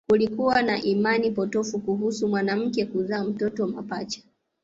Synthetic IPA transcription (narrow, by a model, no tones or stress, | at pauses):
kulikuwanaʔimanipɔtɔfukuɦusumwanam̩kɛkuzaːm̩tɔtɔmapat͡ʃḁ